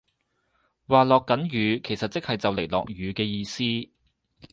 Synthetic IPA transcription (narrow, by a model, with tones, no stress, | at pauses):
waː˨˧lɔː˨kːɐ˨˥njyː˨˧kʰe˨˩jsɐ˨t̚t͡sɪ˥k̚hɐ˨jt͡sɐ˨wle˨˩jlɔ̰ː˨k̚ɥyː˨˧kɛː˧jiː˧siː˥